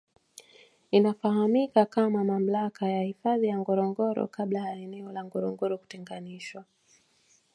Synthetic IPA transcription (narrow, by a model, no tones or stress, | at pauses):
inafahamikakamamam̩lakajahifaðijaŋɡɔɾɔŋɡɔɾɔ̰kaɓlajaɛnɛɔlaŋɡɔɾɔŋɡɔɾɔku̥tɛŋɡaniʃwa